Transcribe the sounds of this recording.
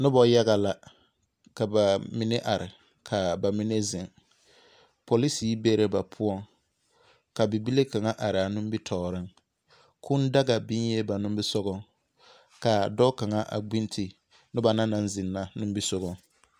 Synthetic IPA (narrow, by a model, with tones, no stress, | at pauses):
nʊ˦bɔ˨ja˦ɣa˨la˨ | ka˨ba˨mi˦ne˦ʔa˨ɾɪ˨ | kʰa˨ba˨mi˦ne˦zɪ˨ŋ | po˨li˦siː˦be˦ɾe˦ba˨pʰʊ˦ɔ˦˨ŋ | ka˨bi˨bi˦le˦ka˨ŋa˦ʔa˨ɾɪ˨a˨nʊ̃˦m˦bi˦tʰɔː˨ɾɪ˦ŋ | kʰʊ˦nda˦ɡa˨bi˦ɲ˦je˦ba˨nʊ̃˦mbɪ˦sɔ˦ɡɔ˨ | ka˨dɔ˦ka˨ŋa˦ʔa̰˨ɡ͡bi˦n˦tʰi˨ | nʊ˦ba˨na˦na˦n˦zɪ˨nːa˨nʊ̃˦m˦bi˦sɔ˦ɣɔ˨ŋ